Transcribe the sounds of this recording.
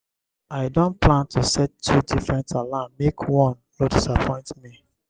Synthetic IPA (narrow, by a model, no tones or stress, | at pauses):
aɪdõnplãntʰusɛtʰːudifɹɛ̃ntʰalãnmekʰwɔ̃n | ɹodisapʰɔ̃ɪ̃ntmi